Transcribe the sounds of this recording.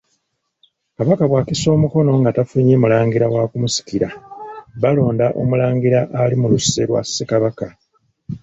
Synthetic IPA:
kaβakaβwaːkiso̞ːmuko̞no̞ŋɡatafuɲeːmulaːŋɡiɾawaːkumusi̥kiɾaβalo̞ːndaʔo̞̰mulaːŋɡiɾaʔalimuluseɾwa̰sːe̞kaβaka

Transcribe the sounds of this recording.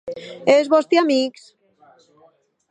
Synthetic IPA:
ezβɔst̪iamiks

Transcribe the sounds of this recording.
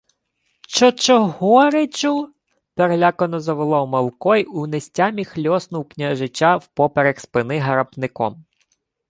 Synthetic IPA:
ʃt͡ʃɔt͡ʃɔɦɔɾet͡ʃʊ | peɾlʲakɔnɔzɐʋelˠɔwmɐlˠkɔjunesʲtʲamʲixlʲɔsnʊwknʲaʒɪt͡ʃawpɔpeɾekspɪnɪɦɐɾɐpnɪkɔ̰m

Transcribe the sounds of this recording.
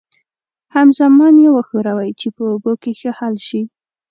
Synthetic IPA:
hamzamɑnjewəxoɾawajt͡ʃepəobokexəhalʃi

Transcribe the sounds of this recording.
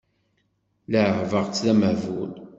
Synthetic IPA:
ləʕəʕvəʁt͡sːðæməhvul

